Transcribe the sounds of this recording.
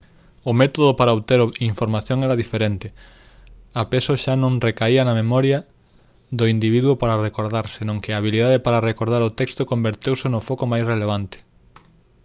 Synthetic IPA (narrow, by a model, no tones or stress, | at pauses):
ʊmet̪oðopaɾaoβt̪eɾoiɱfoɾmaθjoŋɛɾaðifeɾent̪ɪ | apesoʃanõŋrekaiɐnɐmemɔɾja | ðʊind̪iβ̞iðwopaɾarekoɾðaɾsenõŋkɪaːβ̞iliðaðepaɾarekoɾðaɾʊt̪ɛkst̪okombeɾt̪ewsenʊfɔkomajsreleβ̞ant̪ɪ̥